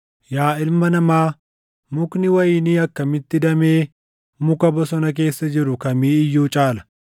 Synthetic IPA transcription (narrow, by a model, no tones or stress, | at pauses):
jaːɪlmɐnɐmaː | mʊknɪwɐjɪniːɐkːɐmɪt̪ːɪd̪ɐmeː | mʊkɐbɔsɔnɐk̬e̞ːsːɐd͡ʒɪɾʊkɐmiːɪjːuːt͡ʃʼaːlɐ̥